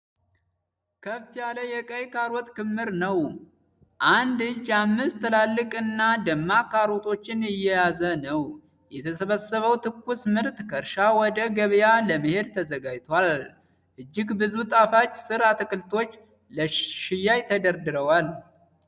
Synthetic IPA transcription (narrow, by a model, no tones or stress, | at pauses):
kʰəfːijaləjɛkʼəjkʰaɾɔt̪kɨmːɨɾnəw | ʔand̪ɨd͡ʒːamːɨst̪ʰːəlalːɨkʼɨnːad̪əmːakaɾot̪ʰo̞t͡ʃːɪnɪjːɛjazənəw | jɛt̪ʰəsəβəsəβəwt̪ʰɨkːusmɨɾt̪kʰəɾʃawɔd̪əɡəβjaləməhe̞d̪t̪ʰəzəɡad͡ʒt̪ʰal | ʔɨd͡ʒːɪɡbɨzut̪ʼafat͡ʃːsɨɾat̪ɨkʼɨlt̪ʰo̞t͡ʃː | ləʃɪjːajt̪ʰəd̪əɾd̪ɨɾəwal